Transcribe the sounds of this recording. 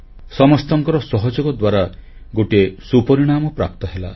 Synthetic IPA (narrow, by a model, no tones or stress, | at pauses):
sɔmɔst̪ɔŋkɔɾɔsɔɦɔd͡ʒɔɡɔd̪waɾa | ɡoʈiesupɔɾiɽ̃amɔpɾa̰p̚t̪ɔɦela̰